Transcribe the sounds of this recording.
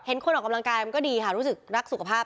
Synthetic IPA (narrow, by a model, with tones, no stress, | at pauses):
he˨˩˦nkʰo˧nʔɔː˨˩ka˧la˧ŋkaː˧jma˧nkɔː˥˩diː˧kʰa˥˩ɾu˦˥sɯ˨˩k̚ɾa˦˥k̚su˨˩kʰa˧˩pʰaː˥˩p̚